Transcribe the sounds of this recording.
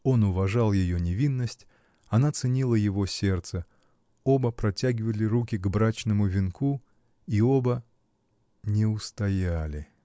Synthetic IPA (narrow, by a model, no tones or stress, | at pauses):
o̞nʊvɐʐɑlˠjɪjonʲɪvʲinːəsʲtʲ | ɐn̪at̪sɨnʲilˠəjɪvo̞sʲe̞rt̪sə | o̞bəpɾɐtʲæɡʲɪvəlʲɪɾuk̬ʲɪɡbɾat͡ɕnəmʊvʲɪnku | io̞bə | nʲɪʊst̪ɐjalʲɪ